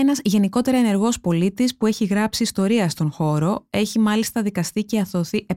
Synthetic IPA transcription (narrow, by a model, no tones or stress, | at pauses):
enɐzʝe̞niko̞t̪e̞ɾɐene̞ɾɣo̞spo̞lit̪ispue̞çiɣɾɐpsiːst̪o̞ɾiɐst̪o̞nxo̞ɾo̞e̞çimɐlist̪ɐðikɐst̪ice̞ɐθo̞θiʔe